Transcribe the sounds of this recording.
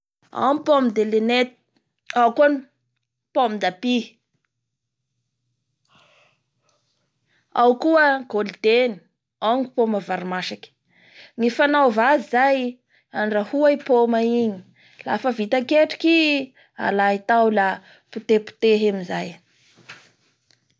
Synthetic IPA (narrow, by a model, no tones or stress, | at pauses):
a̰mpomid̪elenet̪ | awkuani | pomid̪api | a̰wkuəɡ̥olid̪̥eni̥ | aŋipomavaɾimaʃakʲi̥ | ŋifanawvazizaj | anɖ͡ʐahuajpomaiɲi̥ | lafəvit̪akeʈ͡ʂi̥ki | a̰lait̪awla | put̪epu̥t̪eɦemizaj